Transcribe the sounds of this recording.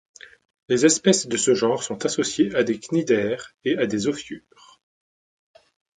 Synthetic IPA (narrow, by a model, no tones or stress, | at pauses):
lezɛspɛsd̪əsəʒɑ̃ʁsɔ̃t̪asɔsjeʔad̪eknid̪ɛːʁead̪ezɔfjy | ʁ